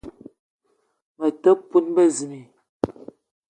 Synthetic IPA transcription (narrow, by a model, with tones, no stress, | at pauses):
mə˨tə˦pːu˦nbə˦˨zi˨ni˨